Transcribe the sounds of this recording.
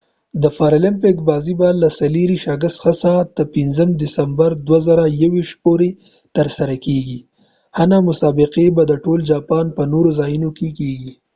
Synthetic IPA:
d̪əfɑɾalɪmpɪkbɑzibalasaliɾiʃɑɡəst̪xasat̪əpɪnzəmd̪ɪsambaɾd̪wazaɾajawiʃt̪poɾe | t̪əɾsaɾakeɡi | hanamʊsɑbɪqebad̪əʈold͡ʒɑpɑnpənoɾozɑjunokekeɡi

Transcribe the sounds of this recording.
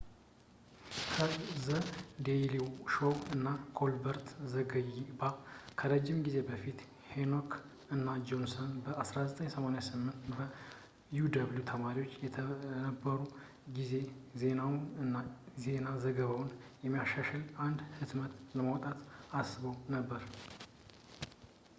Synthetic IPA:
kʰəzəd̪ejliwʃoɨnːaɡolbəɾt̪zəɡəjibakʰəɾəd͡ʒːɪmɡize̞bəfit̪ | henok | ɨnːad͡ʒo̞nsonbəasɾazət̪ʼəɲsəmaneasɨmːɨnt̪bə | jud̪aβljut̪ʰəmaɾiwo̞t͡ʃːjɛnəbːəɾu | ɡize̞ze̞nawɨnːaze̞nazəɡəβawnjɛmːijaʃaʃɛlʔand̪hɨt̪mət̪ləmawt̪ʼat̪asɨβəwnəbːəɾ

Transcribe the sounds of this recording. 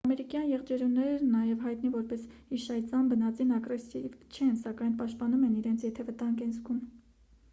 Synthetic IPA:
ɑmɛɾikjɑnjɛʁd͡ʒɛɾunɛɾnɑjɛvɦɑjt̪nivɔɾpɛshiʃɑjt͡sɑnbənɑt͡sinɑɡrɛsivt͡ʃʰɛnsɑkɑjnpɑʃt̪̚pɑnumɛniɾɛnt͡sʰjɛt̪ʰɛvət̪ɑŋɡɛnzɡum

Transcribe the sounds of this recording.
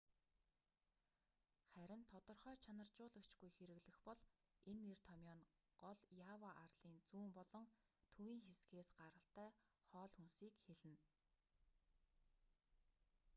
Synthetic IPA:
χæɾʲɪ̆nt̪ʰɔt̪ɞ̆rχœːt͡ɕʰanə̆r̥t͡ɕʊːɮə̆kt͡ɕɡujxeɾɘ̆ɣɮɘ̆xpɔɮ | enːert̪ʰɔmʲjɔn | ɢɔɮjaːwaʔarɮ̥iːnt͡suːmpɔɮɞ̆ŋ | t̪ʰuiːŋxesɡeːsɢaɾə̆ɬt̪æːχɔːɮxunsiːkxeɮɘ̆n

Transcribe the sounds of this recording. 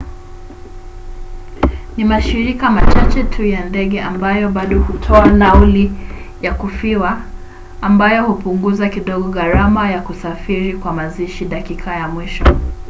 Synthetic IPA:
nimaʃiɾikamat͡ʃat͡ʃɛtʰujandɛɠɛʔambajɔɓaɗɔhutʰɔalauli | jakufiwaː | mbajɔhupuŋɡuzakiɗɔɡɔɣaɾamajakusafiɾikwamaziʃiɗakikʰajamwiʃɔ

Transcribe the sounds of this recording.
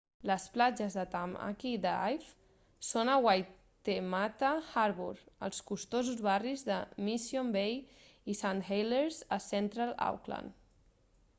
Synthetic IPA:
ləsplad͡ʒəzðət̪ama̰kid̪əa̰jf | sonəwaj | t̪emat̪axaɾβuɾə̰lˠskust̪ozuzβarizðəmisjombej | isanxejleɾzəsɛnt̪ɾala̰wkla̰n

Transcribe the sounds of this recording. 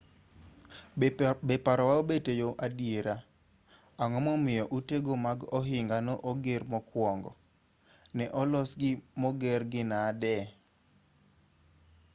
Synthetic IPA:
bɛpaɾɔwaobetejoʔadieɾa | aŋɔmɔmɪjɔʔuteɡomaɡɔɦɪŋɡanɔʔoɡermɔkwɔŋɡɔ̰ | nɛʔɔlɔsɡɪmɔɡɛrɡɪnaːdɛ

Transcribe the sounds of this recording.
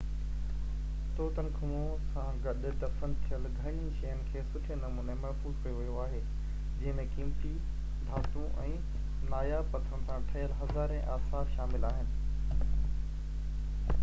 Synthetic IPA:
t̪oːt̪ənkʰuõ | sãɡɐɗ̆d̪ɐfənt̪ʰijəlɡʱɐɽ̃ĩʃɐjənɪ̆kʰeːsʊʈʰənɐmuːnemɐɾfuːzkʰɐjoʋijoaːɦeː | d͡ʑɐ̃ɦɪ̃mẽkiːmt̪i | d̪ʱaːt̪ũʔɛ̃ː | naːjapɐt̪ʰəɾəñɪ̆sãʈʰɐjəlɦɐzaːɾẽʔaːsaːfʃaːmɪlaːɦɪnɪ̆

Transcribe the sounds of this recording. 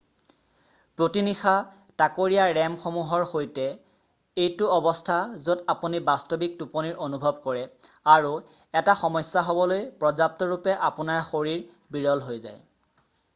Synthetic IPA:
pɹotinixa | takoɹijaɹɛmxomuɦɔɹxojtɛ | ejtʊɔbɔstʰazodapunibastobik̚tupɔniɹʔonubʱɔb̚kɔɹɛ | aɹu | ɛtaxɔmɔjsːaɦobɔlojpɹɔzap̚tɔɹupɛʔapʊnaɹxoɹiɹ | biɹɔlɦojza̰j

